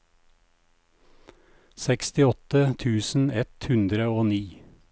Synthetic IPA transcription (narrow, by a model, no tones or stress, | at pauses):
sɛkst̪ɪɔt̪ət̪ʰʉːsn̩ɛt̪hʉnd̪ɾəoːniː